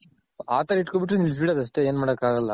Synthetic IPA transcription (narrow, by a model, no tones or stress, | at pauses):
aːt̪ɐɾɐiʈkobiʈ̬ɾunilbiɽɐːd̪ɐʂʈe̞eːnmaːɽɐkːaːɣɐlːɐ̰